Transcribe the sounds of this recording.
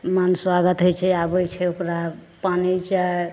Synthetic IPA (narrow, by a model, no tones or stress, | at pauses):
manswaɡət̪ɦojt͡ʃʰɛabəjt͡ʃʰɛokɾapanit͡ʃae